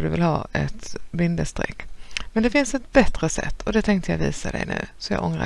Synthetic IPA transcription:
d̪ɵvɪlhɑːɛt̪bɪnd̪əst̪ɾɛ̰kːmɛnd̪ɛfɪnsɛt̪̚bɛt̪ɾəsɛ̰t̪ːɔd̪ɛt̪ʰɛŋkt̪əjaviːsad̪ɛ̰jnʉ̟ːsɔjɑ̰ːɡʔɔŋɾa

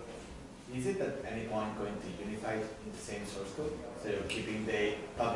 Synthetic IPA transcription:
ɪzɪt̪̚d̪ɨt̚ɛniwʌ̃nɡoɪ̃ŋtʰujunifaɪdɪ̃nd̪əsẽɪ̃msɔɹskusojəkʰipɪ̃ŋd̪əpʰʌb

